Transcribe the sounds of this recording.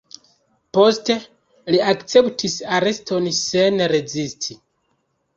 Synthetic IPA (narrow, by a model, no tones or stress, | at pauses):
po̞ste̞ | liakt͡se̞ptʰisaɾe̞stʰo̞nse̞nɾe̞zistʰi